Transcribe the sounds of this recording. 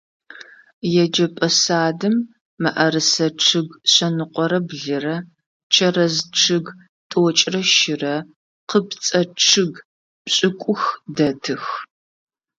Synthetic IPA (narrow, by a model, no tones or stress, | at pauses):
jɛd͡ʒɐpʼɐsaːdɨmː | ɐʔɐrɨsɐʈ͡ʂʰɨɡɕɐnɨqʷʼɔɾɐbɮɨrɐ | t͡ʃʰɐrɐzʈ͡ʂʰɨɡ | tʼoːt͡ʃʼrɐʃɪrɐ | qəpt͡sʼɐʈ͡ʂʰɨɡ | ɕʼɪkʷʼʊxdɐtʰɨx